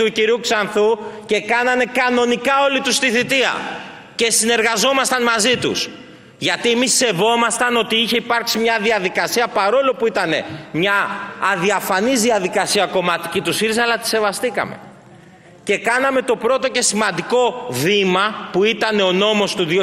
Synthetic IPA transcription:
uciɾiuksɐnθuce̞kɐnɐne̞kɐno̞nikɐo̞lit̪ust̪iθit̪iɐ̰ | ce̞sine̞ɾɣɐzo̞mɐst̪ɐnmɐzit̪ṵs | ʝɐt̪iemisːe̞vo̞mɐst̪ɐno̞t̪iiçe̞ipɐɾksimɲɐðiɐðikɐsiɐpɐɾo̞lo̞puit̪ɐne̞̰mɲɐːðiɐfɐnizðiɐðikɐsiɐko̞mɐt̪icit̪usiɾisɐlɐt̪i̥se̞vɐst̪ikɐ̰me̞̰ | ce̞kɐnɐme̞t̪o̞pɾo̞t̪o̞ce̞simɐnd̪iko̞vimɐpuit̪ɐne̞o̞no̞mo̞st̪uð

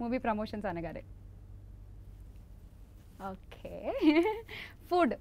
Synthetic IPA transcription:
muʋiːpɾomoɕənsaneɡaɾḛ | okʰe | fuːɖ

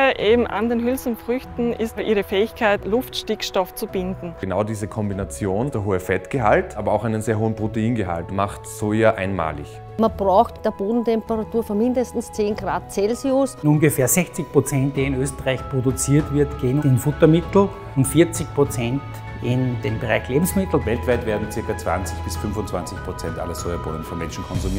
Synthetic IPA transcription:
ʔeːbm̩ʔa̰ndeːnɦʏlsn̩fʁʏçtn̩ɪstɐʔiːʁəfɛːɪçkʰaɪtlʊftʃtɪkʃtɔft͡sub̥ɪndn̩ənaʊdiːzəkʰɔmbinat͡sjoːnd̥eːɐɦoːəfɛtɡ̥əɦa̰ltʔaːbɐa̰ʊxaɪnənzeːɐɦoːənpʁ̥oteiːnɡəɦa̰ltmaχtsoːjaʔa̰ɪnma̰ːlɪ̰ç | manb̥ʁaʊxtd̥eːɐb̥oːdn̩tʰɛmpəʁatuːɐfyɐmɪndəstn̩st͡seːnɡʁaːt̚t͡sɛlziʊsʊnɡəfeːɐzɛçt͡sɪçpʁ̥ot͡sɛ̃nt̚d̥eːɪnøːstəʁaɪçpʁ̥odʊt͡siːɐtv̥ɪɐtɡ̥eːənɪnfʊtɐmɪtl̩ | ʊntfiɐt͡sɪçpʁ̥ot͡sɛnt | ɪnd̥eːmbəʁa̰ɪçleːbm̩smɪtl̩vɛltv̥aɪtveːɐdn̩t͡sɪɐkɐt͡sv̥a̰nt͡sɪçb̥ɪsfʏnvʊntt͡sv̥ant͡sɪçpʁ̥ot͡sɛntʔa̰lɐzojabo̰ːdənfɔnmɛnʃn̩kʰɔnzumiː

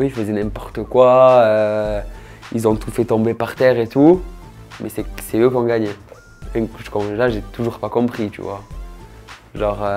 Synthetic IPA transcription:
øilfəzɛnɛ̃pɔʁt̪əkwaø | ilzɔ̃t̪ufɛt̪ɔ̃bepaʁt̪ɛʁet̪u | mɛsɛsɛøkɔ̃ɡaɲe | ɛ̃kʒə̥kɔ̃laʒet̪uʒuʁpakɔ̃pχit̪y̰vwa̰ | ʒɑ̃ʁø

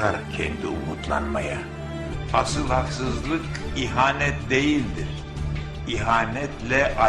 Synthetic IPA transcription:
aɾacʰɛ̰nd̪iumut̪ʰlˠa̰nmaja | asɯlˠhaksɯzlˠɯkiɦaːnɛt̪̚d̪e̞jilʲd̪iɾ̥ | iɦaːnɛt̪lʲɛʔa

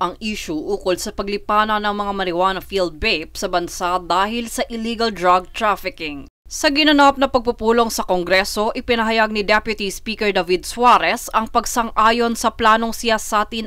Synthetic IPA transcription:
ʔɐŋʔiːʃʊʔuːkolsɐpɐɡ̚lɪpaːnɐnɐŋmɐŋamɐɾɪwaːnɐfild̪̚bejp̚sɐbɐnsad̪aːhɪlsɐʔɪliːɡɐld̪ɾaɡ̚t̪ɾafɪkɪŋ | sɐɡɪnɐnap̚nɐpɐɡ̚pupuːlo̞ŋsɐkoŋɡɾɛso̞ʔɪpɪnɐɦɐjaɡ̚nɪd̪ɛpjʊt̪ispiːkɛɹd̪ɐvid̪̚swaɾɛsɐŋpɐɡsɐŋʔaːjo̞nsɐplaːno̞ŋsɪjasaːt̪in

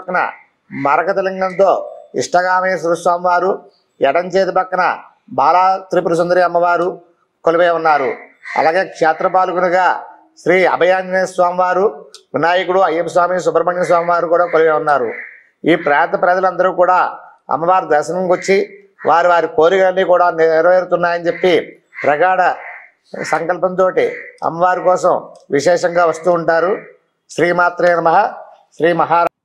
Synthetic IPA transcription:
ɐkɐnɐ̰ | mɐɾɐkɐt̪ɐlɐŋɡɐnt̪o̞ːḭʂʈɐɡaːmɐjɐsɐɐsʋaːmiʋaːɾu | ɛɽɐɲt͡ʃeːt̪ipɐkːɐnɐ̰ | bʱaːlaːt̪ɾipuɾus̬ɐnd̪ɐɾiɐmːɐʋaːɾu | koliʋeːunːaːɾṵ | ɐ̰laːɡe̞ːkʂeːt̪ɾɐpaːlukunuɡaː | sɾiːɐ̰bʱɐjaːnd͡ʒɐneːsʋaːmiʋaːɾuʋinaːjikuɽuɐjːɐpɐs̬ʋaːmiːs̬ubɾɐmɐɳins̬ʋaːmiʋaːɾukuːɽaːkoliʋeːunːaːɾṵ | iːpɾaːt̪ɐpɾɐd͡ʒɐlɐnd̪ɐɾuːkuːɽaː | ɐ̰mːɐʋaːɾd̪ɐɾʃɐnɐmkot͡ʃːi | ʋʔaːɾiʋaːɾikoːɾikɐlɐnːiːkuːɽaːniɾʋeːɾut̪unːaːjɐnt͡ʃe̞pːi | pɾɐɡaːɽɐ | sɐŋkɐlpɐnt̪o̞ːʈiɐ̰mːɐʋaːɾikɔːsɐmʋiʃɛːʂɐŋɡaːʋɐst̪uːɳʈaːɾu | ʃɾiːmaːt̪ɾɐːnɐmɐɦɐ | ʃɾiːmɐɦaːɾ

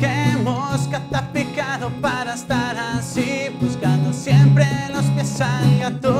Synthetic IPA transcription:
kemoskat̪apikaðopaɾaest̪aɾasibuskand̪osjempɾeloskesalɡat̪o

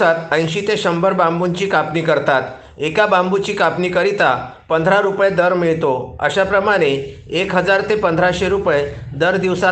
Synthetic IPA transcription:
at̪ə̃j̃ɕiːt̪eɕəmbəɾbãmbuɲt͡ɕiːkapnikəɾt̪at̪ | ekabãmbut͡ɕiːkapniːkəɾit̪a | pənd̪ʱɾaɾupjed̪əɾmiɭt̪oə̰ɕapɾəmaɽ̃eː | kɦəd͡zaɾt̪epənd̪ʱɾaɕeɾupjed̪əɾd̪iʋsa

